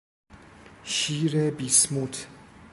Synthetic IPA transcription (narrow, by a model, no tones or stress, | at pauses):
ʃiːɾebismut̪ʰ